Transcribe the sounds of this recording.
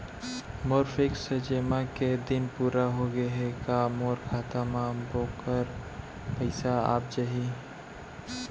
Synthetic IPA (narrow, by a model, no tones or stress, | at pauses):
moːɾfʰɪksəd͡ʒeːmaked̪ɪnpuːɾaɦoɡəɦekamoːɾkʰaːt̪amabokəɾ | pəɪsaa̰ːp̚d͡ʒaɦi